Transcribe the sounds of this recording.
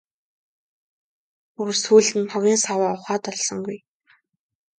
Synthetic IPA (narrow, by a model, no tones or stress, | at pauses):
uɾsuːɮt̪ɘ̆nʰɔɣʲiːnsawaːʊχaːt̪ɔɮsɞ̆ŋɡuj